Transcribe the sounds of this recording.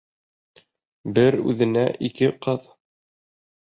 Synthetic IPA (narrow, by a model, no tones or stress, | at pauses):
bɘɾʉ̰ðɘ̆næʔikɘqɤð